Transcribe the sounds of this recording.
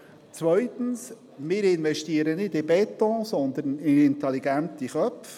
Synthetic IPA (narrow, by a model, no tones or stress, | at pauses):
t͡sʋœʏt̪ən̩s | mɪːɾɪnʋɛʃtiəɾənɪdɪbɛt̪ɔ̃sɔnd̪ənɪɪnt̪ɛliɡænt̪iχœpf